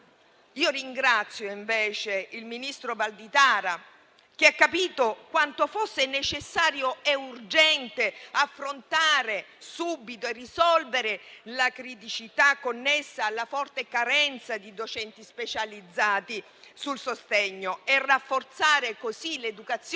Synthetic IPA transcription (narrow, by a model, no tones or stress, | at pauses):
iːoriŋɡɾat̪sːjoiɱveːt͡ʃeilminist̪ɾobald̪it̪aːɾa | k̟eakːapiːt̪okwant̪ofosːenet͡ʃesːaːɾjoɛurd͡ʒɛnt̪eafːɾont̪aːɾe | subit̪oerːisɔlveɾelakɾit̪it͡ʃit̪akːonːesːaːlːafɔrt̪ekaɾɛnt̪sad̪id̪ot͡ʃɛnt̪ispet͡ʃalid̪zːaːt̪i | sulsost̪ɛɲːoerːafːort̪saːɾekosiled̪ukat̪sː